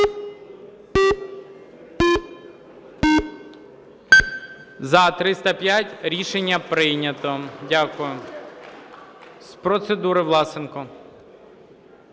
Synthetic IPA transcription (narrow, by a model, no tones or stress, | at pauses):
zɐt̪ɾɪst̪ɐpʲjatʲɾʲiʃenʲːɐpɾɪnʲɐt̪ɔdʲakʊjʊ | spɾɔt̪sed̪uɾɪʋlˠɑsɪnkɔ